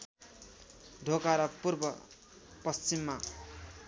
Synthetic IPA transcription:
ɖʱokaɾʌpurbʌ | pʌst͡ʃimːa

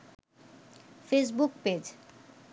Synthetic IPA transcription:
fes̬bukped͡ʑ

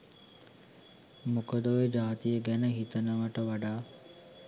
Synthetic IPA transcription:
mukəd̪oʋed͡ʒaːt̪ijəɡænəɦit̪ənəʋəʈəʋaɖaː

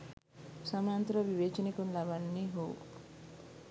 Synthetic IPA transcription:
sɐmaːnt̪ɾɐʋiʋeːt͡ʃinikunlɐʋanːiɦow̰

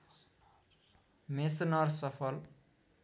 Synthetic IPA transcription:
mesnʌrsʌpʰʌl

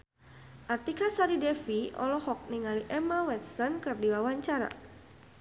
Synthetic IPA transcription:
ʔart̪ikasaɾidɛfiɔ̰lɔhɔk̚niŋaliʔɛməwɛt̪sɔnkɨrdiwawaɲt͡ʃaɾa̰

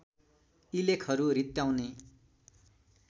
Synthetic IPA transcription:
ilekʰʌɾuɾit̪ːjaw̃ne

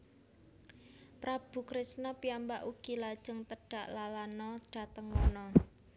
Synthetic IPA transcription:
pɾab̥ṳkɾɪsnɔpiambaʔuɡ̥i̤lad̥ʒ̥ə̤ŋt̪əɖ̥a̤ʔlalanɔɖ̥a̤t̪əŋunɔ

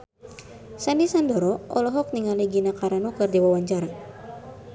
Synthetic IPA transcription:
sandisandɔɾɔɔlɔɦɔk̚niŋaliɡinakaɾanukɨrdiwawaɲt͡ʃaɾa

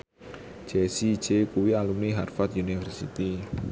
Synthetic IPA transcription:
d͡ʒ̥esid̥d͡ʒekuwialumniɦarfat̪unifərsit̪i

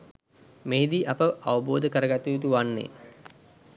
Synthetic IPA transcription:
meɦid̪iʔapəʔaʋəboːd̪əkəɾəɡat̪ujut̪̬uʋanːḛ

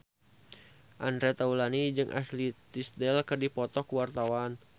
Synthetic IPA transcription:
ʔanɾɛt̪aulanid͡ʒɨŋʔa̰slit̪isdɛlkərdipɔt̪ɔkuwart̪awan

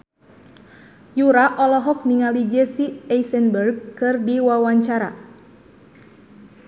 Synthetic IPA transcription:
juɾaʔɔlɔɦɔk̚niŋalid͡ʒɛsiɛsɛnbərɡ̚kɨrdiwawaɲt͡ʃaɾa̰

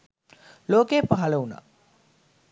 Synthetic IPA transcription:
loːkeːpaɦɐlɐuna̰

